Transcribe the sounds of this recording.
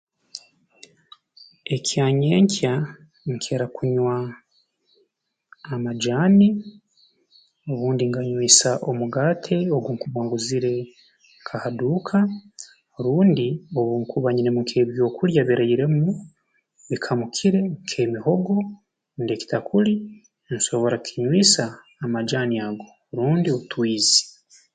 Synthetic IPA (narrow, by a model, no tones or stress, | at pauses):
e̞cʰjaːɲe̞ːɲcʰja | ŋkʰe̞ːɾakuɲwa | mad͡ʒaːni | o̞βuːndiŋɡaɲwiːsaʔo̞muɡaːtʰe̞oɡuːŋkuβwaːŋɡuziɾe̞ | kʰahaduːkʰa | oɾuːndio̞βuŋkuβaɲiɾe̞muŋkʰe̞ːβjo̞ːkuɾjaβiɾaiɾe̞mu | βikʰamukʰiɾe̞ŋkʰe̞miho̞ɡo̞ | ndeki̥takʰuli | nso̞βo̞ɾakʰiɲwiːsaː | mad͡ʒaːniaɡo̞ | ɾuːndioβutwiːzi̥